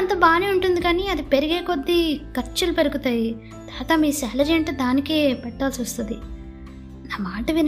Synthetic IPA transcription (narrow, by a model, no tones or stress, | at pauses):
ɐnt̪oːbaːniːuɳʈund̪ikaːniɐd̪ipeɾuɡeːkod̪ːikɐɾt͡ʃɐlupeɾuɡut̪aːji | d̪̥aːk̪aːmiːsɛːlɐd͡ʒeɳʈd̪aːnikeːpɛʈːaːlsiʋɐst̪und̪i | naːmaːʈɐʋin